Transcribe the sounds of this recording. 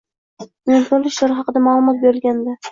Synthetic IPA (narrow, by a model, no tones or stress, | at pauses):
ɪnt̪ʰolɪʃlaɾɦɑqɨd̪amalˠʊmɒt̪̚beɾɪlɡʲand̪a